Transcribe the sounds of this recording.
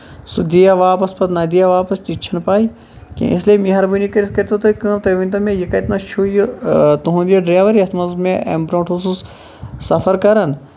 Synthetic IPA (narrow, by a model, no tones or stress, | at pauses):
sud̪ijaʋaːpɐspɐt̪nɐd̪ijaʋaːpɐst̪it͡ʃʰɐnpaːi | kḛ̃isliemĩɦɐɾbunikɐɾiskɐɾt̪ot̪ɐkɐ̃ːmt̪ɐʋĩnt̪ɐmẽjɐkɐjt̪nɐʃʰuːjut̪uɦũːnd̪ijɐɖɾaːʋɐɾiɐt̪ʰmɐzmẽʔḛmbɾõːɳʈɦoːsus | sɐfɐɾkɐɾɐn